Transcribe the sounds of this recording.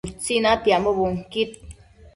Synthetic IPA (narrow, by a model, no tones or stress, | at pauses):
t͡sinãt̪jaʔmobuŋkit̪̚